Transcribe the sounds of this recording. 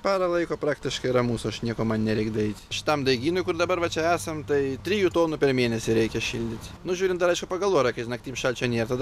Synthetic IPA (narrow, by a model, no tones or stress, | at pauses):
pʲɑːɾɐlˠɐɪkoːpɾɑːkt̪ʲɪʃkɐɪɾɐmuːsʊɐʃnʲiɛkoːmɐnnʲɛɾʲɛɪkd̪ɐɛɪt̪ʲʃʲɪ̥t̪ɐmd̪ɐɪɡʲiːnojkʊrd̪ɐbɐɾʋɐt͡ʃʲɛæːsɐmt̪ɐɪt̪ʲɾʲijuːt̪oːnʊpʲɛrmʲeːnʲɛsʲɪɾʲɛɪkʲɛʃʲḭlʲd̪ʲɪt̪ʲnʊʒʲuːɾʲɪnt̪d̪ɐɾɐɪʃkʊpɐɡɐlˠʋoːjɾɐkɐɪʒʲɪnɐkt̪ʲiːmʃɐlʲt͡ʃʲɛnʲeːt̪ɐd̪ɐ